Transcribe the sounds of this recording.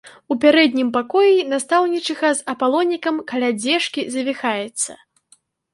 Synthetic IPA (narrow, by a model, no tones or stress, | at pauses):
upʲaɾɛd̪ʲnʲimpakɔjinast̪awnʲit͡ʂɨɣɐzɐpalˠɔnʲikɐmkalʲad͡zʲɛʂkʲizɐvʲixajɛt̪sːɐ̰